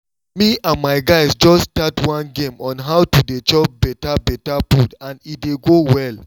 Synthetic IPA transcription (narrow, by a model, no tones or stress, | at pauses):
miãnmaɪɡaɪsd͡ʒɔstatwɔ̃nɡẽmɔ̃nɦaʊtudet͡ʃɔp̚bɛtabɛtapudãnideɡowɛl